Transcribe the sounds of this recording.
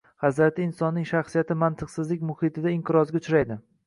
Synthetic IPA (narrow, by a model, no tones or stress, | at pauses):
hazɾat̪ʰɪɪnsɒnːɪŋʃaχsijat̪ʰɪmant̪ʰɨqsɪzlɪkʲmʊhɪt̪ʰɪd̪aɪmqʰɨɾɒzɡʲaʊt͡ʃɾajd̪ɪ